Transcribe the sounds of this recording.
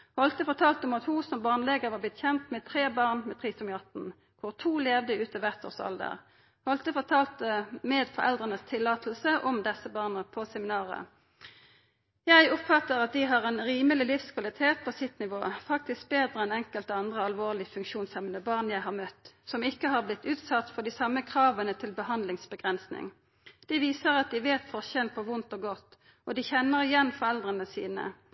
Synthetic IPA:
hɔlt̪əfɔʁt̪ʰɑːlt̪ɔmɑt̪husɔmbɑʁnleːɡəʁʋɑːblɪt̪çɛnt̪mɛt̪ʰʁeːbɑʁnmɛt̪ʰʁiːsɔmjɑt̪n̩ | kʰʊʁt̪ʰuːleːʋd̪əʉːt̪əʋæʁt̪ʰo̰ːʁsɑ̰ld̪ə̰ʁ | hɔlt̪əfɔt̪ʰɑːlt̪əmɛd̪fɔʁɛ̰ld̪ʁənəst̪ʰɪlːɑːt̪l̩səʔɔmd̪ɛsəbɑːʁnəpʰɔsɛmɪnɑːʁə̰ | jæɪɔpfɑt̪əʁɑt̪̚d̪ɪɦɑʁɛnʁiːməlɪlɪfskʰʋɑlɪt̪ʰeːt̪̚pʰɔsɪt̪nɪʋoːfɑk̚t̪ɪsk̚beːd̪ʁəɛnɛŋkəlt̪ɑnd̪ʁəɑlʋoːʁlɪfʉŋkʃuːnsɛmənəbɑʁnjæɪɦhɑʁmœt̪ːsɔmɪkːəɦɑːʁblɪt̪ːʉːt̪sɑt̪ːfɔʁd̪ɪsɑmːəkʰʁɑːʋənət̪ʰɪlbəhɑnd̪lɪŋsbəɡʁɛnsnɪ̰ŋ | d̪̥ɪʋiːsəʁɑt̪̚d̪ɪʋeːt̪fɔʁçɛnpʰɔʋʊnt̪ɔːɡɔt̪ː | ɔd̪ɪçɛnːəʁɪjɛnfɔʁɛld̪ʁənəsḭːnə̰

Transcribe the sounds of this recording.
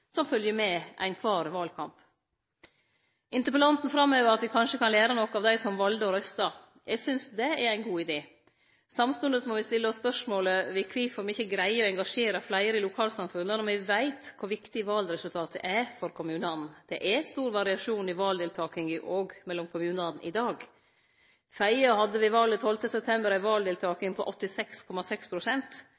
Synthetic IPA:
sɔmfœljəmɛʔæ̰ɪnkʰʋɑːɾʋɑːlkʰɑmp | ʔɪnt̪əɾpəlɑnt̪n̩fɾɑmːøːʋəɾɑt̪ʋɪkʰɑnʂəkʰɑnleːɾɑnɔkːəɑːʋd̪æɪsɔmʋɑld̪əɔɾœst̪ɑ | jɛɡsʏnsd̪ɛæɾæɪnɡuːɪd̪eː | sɑmst̪ʉnd̪əsɔmɔʋɪst̪ɪlːəɔspœʂmoːləʋɪkʰʋɪfoɾmɪçːəɡɾæɪəɔɛŋɡɑʂeːɾɑflæɪəɾəɪlʊkʰɑːlsɑmfʉnːənɔmʋɪʋæɪt̪kʰʊɾʋɪkt̪ɪʋɑld̪ɾɛsʉlt̪ʰɑːt̪ʰə̰ʔɛfɔɾkʰʊmʉːnəɑnn̩d̪̥ɛʔɛst̪uːɾʋɑɾɪɑʂuːnɪʋɑːld̪ɪːlt̪ʰɑːkɪŋəʔoːɡmɛlːɔmkʰʊmʉːnəɑnn̩ʔɪd̪ɑːɡ | fæɪəhɑd̪əʋɪʋɑlːət̪hɔlt̪əsɛp̚t̪ʰɛmbəɾæɪʋɑːld̪ɪːlt̪ʰɑːkɪŋpʰɔʔɔt̪ːɪsɛkskʰɔmɑsɛkspʰɾʊsɛnt̪

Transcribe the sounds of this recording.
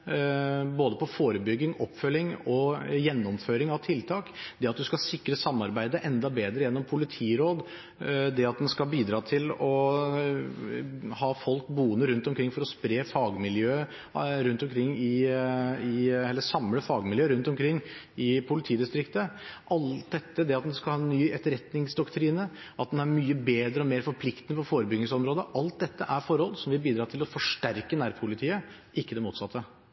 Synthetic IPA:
boːd̪əpʰɔfoːɾəbʏɡːɪŋɔpːfœlːɪŋɔjɛnːɔmføːɾɪŋɑʋt̪ʰɪlt̪ʰɑːkd̪ɛɑt̪̚d̪ʉskɑsɪkːɾəsɑmːɑɾbæɪd̪əʔɛnd̪ɑbeːd̪ɾəjɛnːɔmpʰʊlɪt̪ʰiːɾoːd̪ | d̪ɛɑt̪̚d̪ɛnskɑlbiːd̪ɾɑːt̪ʰɪlɔ | hɑːfɔlkbuːənəɾʉnt̪ɔmkʰɾɪŋfɔɾɔspɾeːfɑːɡmɪljøː | ɾʉnt̪ɔmkʰɾɪŋːɪ | ɪɛlːəsɑmləfɑːɡmɪljøːəɾʉnt̪ɔmkʰɾɪŋː | ɪpʰʊlɪt̪ʰiːd̪ɪst̪ɾɪkt̪əʔɑlt̪̚d̪ɛt̪ːəd̪ɛɑt̪̚d̪nd̪ɛskɑlhɑːnːyːɛt̪əɾɛt̪nɪŋsd̪ɔkt̪ʰɾiːnə | ɑt̪̚d̪ɛnæɾmyːəbeːd̪ɾəɔmeːɾfɔɾpʰlɪkt̪ənəfɔɾfoːɾəbʏɡnɪŋsɔmɾoːd̪əʔɑlt̪̚d̪ɛt̪ːəʔæɾfɔɾɔlsɔmʋɪbiːd̪ɾɑːt̪ʰɪlɔfɔʂʈæɾkənæːɾpʰʊlɪt̪ʰiːə | ɪkːəd̪ɛmuːt̪sɑt̪ʰːə

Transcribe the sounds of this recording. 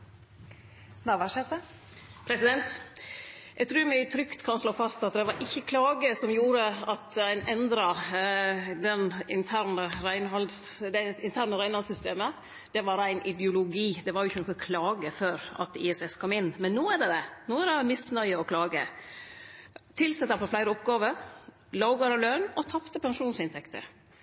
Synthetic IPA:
nɑʋæʂɛt̪ə | pʰɾɛsɪd̪ɛnt̪ | ɛɡ̚t̪ʰɾʉːɾmɪt̪ʰɾʏkt̪kʰɑnʂloːfɑst̪ɑt̪̚d̪ɛʋɑɾʔɪçːəkʰlɑːɡəsɔmjuːɾəɑt̪æɪnɛnd̪ɾɑ | d̪ɛnɪnt̪ʰæɾnəɾæɪnhɑld̪sd̪ɛɪnt̪ʰæːɾnəɾæɪnhɑlsʏst̪eːmə | d̪̥ɛʋɑɾæɪnʔɪd̪jʊlʊɡiːd̪ɛʋɑɾjʊɪçːənɔkəkʰlɑːɡəføːɾɑ̰t̪ɪ̰ɛsɛskʰɔmɪnːmɛnːoːæɖɛd̪ɛnoːæɾɖɛmɪsnœʏəɔkʰlɑːɡə̰ | t̪ʰɪlsɛt̪ːɑfɔɾflæɪɾəɔpɡɑːʋəɾ | lɑːɡɑɾɑlœnɔt̪ʰɑpt̪əpɛnʂuːnsɪnt̪ʰɛkt̪ə̰ɾ

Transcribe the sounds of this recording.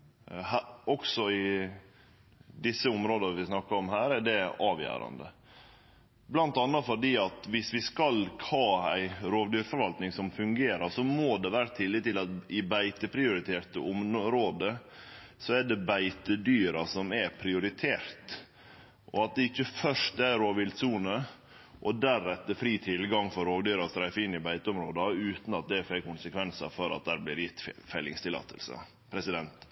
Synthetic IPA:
hæɔksɔɪ | d̪ɪsːəʊmɾoːd̪əʋɪsnɑkːɑɾɔmɦæːɾɛɖɛɑːʋjæ̰ːɾɑ̰nd̪ə̰ | blɑnt̪ɑnːɑfɔɖiːɑt̪ʋɪsʋɪskɑlʰhɑːæ̰ɪɾoːʋd̪yːɾfɔɾʋɑlt̪nɪŋsɔmfʉŋɡeːɾɑsɔmoːd̪ɛʋæːɾət̪ʰɪlːɪt̪ːɪlɑt̪ɪbæɪt̪əpʰɾɪʊɾɪt̪ʰeːɾt̪ə̰ɔmɾoːd̪ə | sɔæɖɛbæɪt̪əd̪yːɾɑsɔmɛpʰɾɪʊɾɪt̪ʰeːɾt̪ | ʔɔɑt̪̚d̪ɛɪçːəfœʂtæɾoːʋɪlt̪suːnə | ʔɔd̪æɾːɛt̪ːəfɾiːt̪ʰɪlɡɑŋfɔɾoːɡd̪yːɾɑst̪ɾæɪfɪnːɪbæɪt̪əɔmɾoːd̪ɑʉːt̪n̩ɑt̪̚d̪ɛfɛkʰːʊnsəkʰʋɛnsɑ̰fɔɾɑ̰t̪̚d̪æːɾblɪɾjɪt̪ːfæɪlːɪŋst̪ɪlɑ̰ːt̪ʰə̰lsə̰ | pʰɾɛsɪd̪ɛnt̪

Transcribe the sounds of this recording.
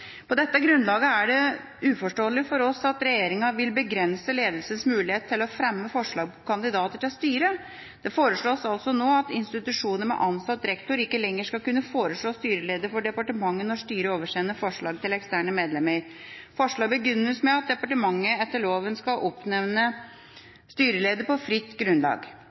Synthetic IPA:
pʰɔd̪ɛt̪ːəɡɾʉnlɑːɡəæɖɛ | ʉːfɔʂʈoːəlɪfɔɾɔsɑt̪ɾɛjeːɾɪŋɑʋɪlbəɡɾɛnsəleːd̪lsənsmʉːlɪheːt̪ʰːɪlɔfɾɛmːəfɔʂɭɑːɡkʰɑnd̪ɪd̪ɑːt̪əʈɪlst̪yːɾə | d̪̥ɛfoːɾəʂɭoːsɑlsɔnoːɑt̪ɪnst̪ɪt̪ʉʂuːnəmɛ̰ʔɑnsɑt̪ːɾɛkt̪ʊɾɪkːəlɛŋːəʂkɑlkʉnːəfoːɾəʂɭoːst̪yːɾəleːd̪əɾfɔɖɛpɑʈəmɑŋːənɔʂt̪yːɾəoːʋəʂeːnəfɔʂɭɑːɡ̚t̪ʰɪlɛkst̪æːɳəmeːd̪lɛməɾfɔʂɭɑːɡ̚bəɡʏnːəsmɛɑt̪̚d̪ɛpɑʈəmɑŋːəɛt̪ːəɭoːʋənskɑʔɔpnɛʋnə | st̪yːɾəleːd̪əpɔfɾɪt̪ːɡɾʉnlɑ̰ːɡ

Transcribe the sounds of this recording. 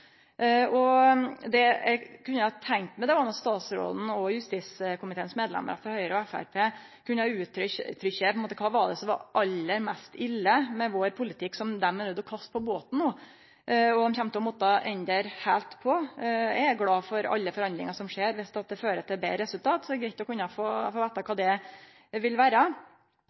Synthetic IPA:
ɔd̪ɛæ̰kʰʉnːəhɑt̪ʰæŋt̪mɛd̪ɛʋɑnɑt̪st̪ɑːt̪sɾo̰ːd̪n̩ɔjʉst̪iːskʊmɪt̪ʰeːnsmeːd̪lɛ̰mə̰ɾəfɔɾhœʏɾəɔæfæ̰ɾpʰeː | kʰʉnːəɑʉːt̪ɾt̪ʰːɾʏçəpɔɛmoːt̪əkʰɑːʋɑd̪ɛsɔmʋɑ̰ɾʔɑlːəɾmæst̪ɪlːəmɛʋoːɾpʰʊlɪt̪ʰɪkːsɔmd̪ɛmːɛnʉd̪ːɔkʰɑst̪̚pʰɔboːt̪n̩noː | ɔd̪ɔmçɛmt̪əɔmɔt̪ːɑʔɛnd̪əɾhæːlt̪pʰɔjææɡlɑːfɔɾɑ̰lːəfɔɾɑnd̪ɾɪ̰ŋɑsɔmʂeːɾʋɪst̪ɑt̪̚d̪ɛføːɾət̪ɪbḛːɾɛsʉlt̪ʰɑːt̪sɔd̪ɛɡɾæɪt̪ɔkʰʉnːɑfoːfoːʋeːt̪ɑkʰɑːd̪ɛ | ʋɪlʋæːɾə

